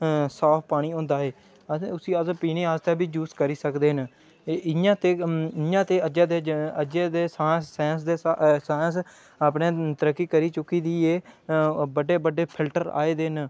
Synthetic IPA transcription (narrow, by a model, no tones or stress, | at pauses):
saːpʰpaːɽ̃iːõːnd̪aːeː | ʊsiːəzpiːneːaːst̪aːbiːd͡ʒuːskəɾiːsəkd̪eːɦən | ɪãːt̪eːjãːt̪eːəd͡ʒaːd̪eəd͡ʒeːd̪eːsaːsːɛ̃ːns̬d̪eːsaːs | aːpnẽːt̪əɾəkːiːkəɾiːt͡ʃʊkːiːd̪iːeː | bəɖeːbəɖeːpʰɪlʈəɾa̰ːeːd̪eːn